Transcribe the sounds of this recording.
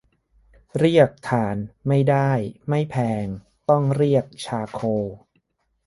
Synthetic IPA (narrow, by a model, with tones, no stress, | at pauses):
ɾi˥˩ək̚t̪ʰaː˩˦nma˥˩jda˥˩jma˥˩jpʰɛː˧ŋ | t̪ɔ˥˩ŋɾi˥˩ək̚t͡ɕʰaː˧kʰoː˧